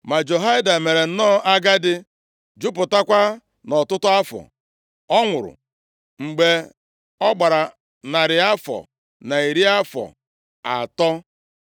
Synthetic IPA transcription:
ma˨d͡ʒo˨ɦa˦ɪ˦da˨me˨ɾe˨n̩˦nɔː˦˨ʔa˦ɡa˦dɪ˦ | d͡ʒʊ˦pʊ˨ta˦kʷa˦ | nɔ˨tʊ˦tʊ˦a˦fɔ̰˨ | ɔ˦ŋʷʊ˨ɾʊ̰˨ | ŋ͡m̩˨ɡ͡be˨ | ɔ˦ɡ͡ba˨ɾa˨ | na˨ɾɪ˨a˦fɔ̰˨ | na˨i˨ɾi˦a˦fɔ̰˨ | a̰˨tɔ˦

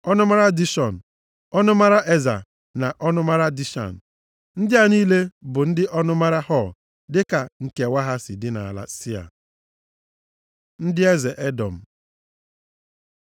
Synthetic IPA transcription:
ɔ˦nʊ˦ma˦ɾa˦di˦ʃɔ˨n̩˨ | ɔ˦nʊ˦ma˦ɾa˦ʔe˦za̰˨ | na˨ʔɔ˦nʊ˦ma˦ɾa˦di˦ʃa̰˨n̩˨ | n̩˦dɪ˦a˨niː˦le˦bʊ˨n̩˦dɪ˦ʔɔ˦nʊ˦ma˦ɾa˦hɔ˦˨l | dɪ˦ka˨ŋ̩˨ke˨wʷa˦ɦa˦sɪ˨dɪ˦na̰˨la̰˨si˦a̰˨ | n̩˦dɪ˦e˦ze˨ʔe˦dɔ˨m̩˨

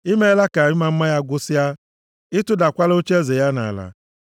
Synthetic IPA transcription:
i˦me˦la˦ka˨ɲʊ˦ma˦m̩˦ma˦ja˦ɡʷʊ˦sɪ˦ja˦ | ɪ˦tʊ˦da˨kʷa˦lo˦t͡ʃe˦ze˨ja˦na̰˨a˨la̰˨

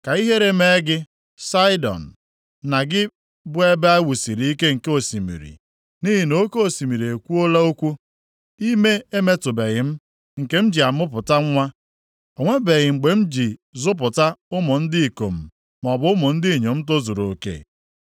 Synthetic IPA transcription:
ka˨i˦ɦe˦ɾe˦me˦ɡɪ˦ | sa˦ɪ˦dɔ̰˨n̩˨ | na˨ɡɪ˦ | bʊ˦e˦be˦a˦wu˨si˨ɾi˨˦i˦ke˦ŋ̩˨ke˦o˨si˨mḭ˨ɾḭ˨ | ni˦ɦi˨no˦ke˦o˨si˨mi˨ɾi˨e˨kʷu˦o˦la˦o˦kʷu˦ | i˦me˦e˦me˦tʊ˨be˨ɣɪ˨m̩˦ | ŋ̩˨ke˦m̩˦d͡ʒi˨a˨mʊ˦pʊ˨ta˦ŋʷa˦ | o˨ŋʷe˦be˨ɣɪ˨ŋ͡m̩˨ɡ͡be˨m̩˦d͡ʒi˨zʊ˦p̬ʊ˨ta˦ʊ˦mʊ˨n̩˦dɪ˦i˨ko˨m̩˨ | mɔ˨bʊ˨˦ʊ˦mʊ˨n̩˦di˦˨ɲo˨m̩˦t̬o˦zu˨ɾo˨kḛ˦˨

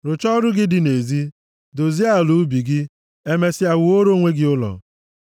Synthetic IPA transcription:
ɾʊ˨t͡ʃɔ˦ɾʊ˦ɡɪ˦dɪ˦ne˨zi˦ | do˨zi˦a˦˨lu˨˦bi˨ɡɪ˦ | e˦me˦sɪ˦a˨wʊ˨o˦ɾo˦ŋʷe˦ɡɪ˦ʊ˦lɔ̰˨

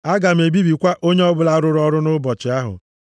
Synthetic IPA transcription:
a˦ɡa˨m̩˨e˨bi˦bi˨kʷa˦ʔo˦ɲe˦ɔ˦bʊ˨la˦ɾʊ˦ɾʊ˦ɔ˦ɾʊ˦nʊ˦bɔ˨t͡ʃɪ˨a˦ɦʊ̰˨

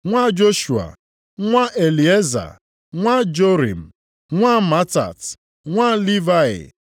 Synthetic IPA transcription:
ŋʷa˦d͡ʒo˦ʃu˨a̰˨ | ŋʷa˦ʔe˨li˨e˦za̰˨ | ŋʷa˦d͡ʒo˦ɾḭ˨m̩˨ | ŋʷa˦ma˦ta̰˨t | ŋʷa˦li˦va˦ɪ̰˨

